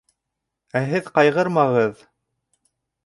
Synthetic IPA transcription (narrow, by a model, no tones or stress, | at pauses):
æɦɘðqɑjʁɤɾmɑʁɤð